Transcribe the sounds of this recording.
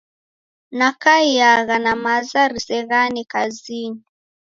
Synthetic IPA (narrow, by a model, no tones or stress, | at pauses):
nakaiaɣanamazaɾisɛɣanikazini